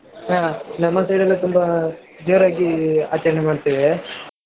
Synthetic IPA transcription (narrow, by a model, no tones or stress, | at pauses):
ɦaːnɐmːɐsɐjɽɐlːut̪umbɐ | d͡ʒeːɾaːɡia̰t͡ʃːɐɾnemaːɽt̪iːʋe